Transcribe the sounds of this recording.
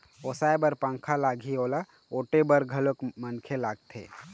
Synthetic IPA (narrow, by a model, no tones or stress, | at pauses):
oːsaːebəɾpãːŋkʰalaːɡʱioːla | oːʈebəɾɡʱɐlokmənkʰelaːɡt̪ʰḛː